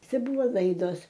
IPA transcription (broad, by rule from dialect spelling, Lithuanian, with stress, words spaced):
ˈt͡sʲɛ ˈbʊʋoː ˈlˠɐɪdoːs